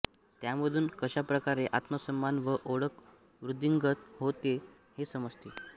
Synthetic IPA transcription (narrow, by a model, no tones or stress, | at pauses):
t̪jaməd̪ʱuːnkəɕapɾəkaɾeʔat̪məsəmːanʋəʔoɽək | ʋɾud̪ʱiŋɡət̪ɦot̪e | hesəməd͡zt̪e